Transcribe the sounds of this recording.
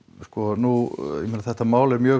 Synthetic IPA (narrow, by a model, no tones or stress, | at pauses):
skɔnuj̰mɪnaθɛht̪ːamaːwlɛɾmjœː